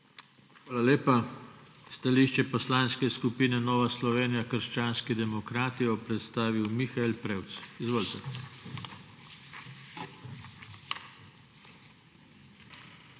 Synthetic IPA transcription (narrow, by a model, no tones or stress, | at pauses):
xʋaːlaleːpa | st̪aliːʃt͡ʃɛpɔslaːnskɛskupiːnɛnɔːʋaslɔʋeːnijakəɾʃt͡ʃaːnskid̪ɛmɔkɾaːt̪iɔpɾɛt̪st̪aːʋiwmixaelpɾewt̪sizʋoːlt̪ɛ